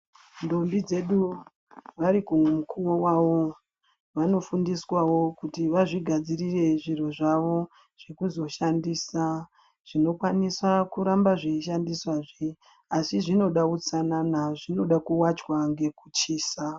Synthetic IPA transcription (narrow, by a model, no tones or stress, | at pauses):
ndo̞mbid͡ze̞ɗu | ʋaɾikumukʰuwowaːʋo̞ | ʋano̞fundiswawo̞kutiʋaʐiɡʱad͡zirire̞ʐiro̞ʐaʋo̞ | ʐ̥e̞kuzo̞ʃandiːsa | ʐ̥ino̞kwaniswakuɾambaʐiiʃandiswaʐi | asiʐino̞ɗakut͡sananaʐino̞ɗakuwat͡ʃwaŋɡe̞kut͡ʃiːsa